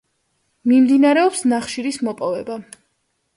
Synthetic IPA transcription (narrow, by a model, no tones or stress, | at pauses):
mimd̪inaɾɛɔpsnaχʃiɾismɔpʼɔvɛba